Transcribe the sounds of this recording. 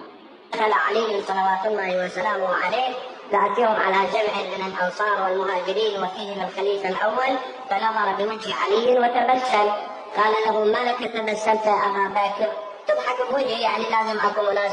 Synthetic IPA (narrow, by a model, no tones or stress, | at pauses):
axalaʕaliːɪnsˤɑlɑwaːt̪ʊlˤːɑːhiwasalaːmʊʕaleːkɡaʕt̪iːhʊmʕalad͡ʒamʕɪmɪnɪlʔɑnsˤɑːɾˤwɪlmʊɦaːd͡ʒɪɾiːnwɪfiːhɪmɪlxaliːfalʔawːal | banɑðˤɑɾˤbɪmɪnʃiʕalijːɪnwɪt̪abasːal | qɑːlalaɦʊmalakat̪abasːalt̪aʔabaːbaːkɪɾ | t̪ɨb̪ˤħɑkwʊd͡ʒijaʕnilaːzɪmʔakuːmʊnaːs